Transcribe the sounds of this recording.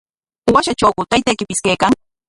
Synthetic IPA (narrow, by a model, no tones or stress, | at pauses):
waʃat͡ʃawkʊt̪ajt̪ajkɪpɪskajkaŋ